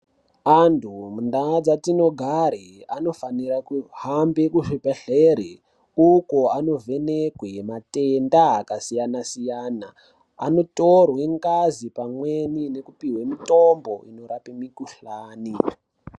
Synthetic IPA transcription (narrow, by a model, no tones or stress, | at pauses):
antʰumundad͡zatino̞ɡʱaɾeano̞faniɾakuɦambekuʐipeɬeɾe | ukoano̞vʱe̞nekwematendaakasijanasijaːna̰ː | no̞to̞rwe̞ŋkazipamwe̞nine̞kupiɦwemitombo̞ʔino̞ɾapemikuɬaːni